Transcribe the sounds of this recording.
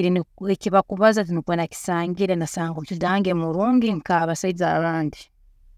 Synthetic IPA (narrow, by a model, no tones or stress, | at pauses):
ɾineciβakuβazat̬inukwenaci̥saːŋɡiɾenasaːŋɡocotiɾaːŋɡemuɾoːɲɡiŋkaβasaizaβaːndi